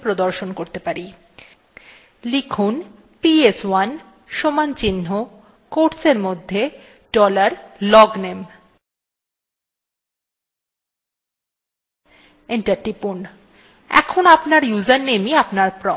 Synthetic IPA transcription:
pɾod̪oɾʃonkoɾt̪epaɾi | likʰun | pieswan | ʃomant͡ɕinɦo | koʈseɾmod̪ʱːe | ɖɔlaɾlɔɡnem | enʈaʈipun | ɛ̰kʰonapnaɾjuzaɾnemiapnaɾpɾɔ

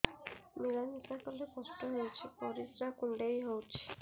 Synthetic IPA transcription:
miɾanitakɔlekɔsʈɔɦewt͡ʃʰipɔɾisɾakuɳɖejɦowt͡ʃʰi̥

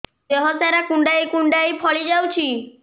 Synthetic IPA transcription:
d͡ʒeɦɔsaɾakuɳɖajkuɳɖajpʰɔɭid͡ʒawt͡ʃʰi

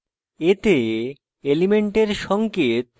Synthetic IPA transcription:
et̪e | elimeɳʈeɾʃɔŋket̪

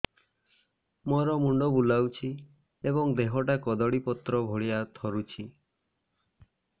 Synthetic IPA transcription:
mɔɾɔmuɳɖɔbulawt͡ʃʰi | ebɔŋd̪eɦɔʈakɔd̪ɔɽipɔt̪ɾɔbʱoɭiat̪ʰɔɾut͡ʃʰi

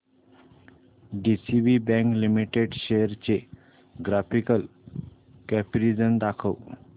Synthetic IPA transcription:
ɖisiʋibɛ̃ŋklimiʈeɖɕejəɾt͡ɕe | ɡɾafikəl | kɛfɾid͡zəmd̪akʰəw

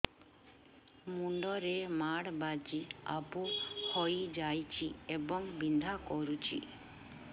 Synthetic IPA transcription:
muɳɖɔɾemaɽbad͡ʒia̰buhojd͡ʒajt͡ʃʰiebɔŋbind̪ʱakɔɾut͡ʃʰḭ

